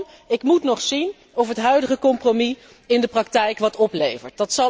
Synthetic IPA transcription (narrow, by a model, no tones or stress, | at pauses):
ɪkmutnɔχsin | ɔfɦətɦœɥdəχəkɔmpromi | ɪndəprɑktɛjkʋɑtɔplejvəɹt̚dɑtsɑ